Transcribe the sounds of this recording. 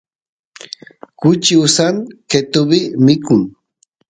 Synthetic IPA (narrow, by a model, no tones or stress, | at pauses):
kʊt͡ʃiʊsaŋket̪ʊbɪmɪkʊŋ